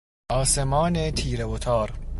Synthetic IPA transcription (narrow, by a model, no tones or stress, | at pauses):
ʔɒːsemɒːnet̪ʰiːɾeot̪ʰɒːɾ